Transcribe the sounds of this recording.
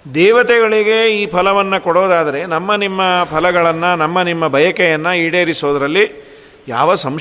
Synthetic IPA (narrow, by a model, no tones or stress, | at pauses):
d̪ɛːʋɐt̪ɛɡɐɭiɡeiːpʰɐlɐʋɐnːɐkɔɽoːd̪aːd̪ɐɾe̞nɐmːɐnimːɐpʰɐlɐɡɐɭɐnːɐnɐmːɐnimːɐbʱɐjɐkɛjɐnːɐiːɽeːɾisoːd̪ɐɾɐlːi | ja̰ːʋɐsɐm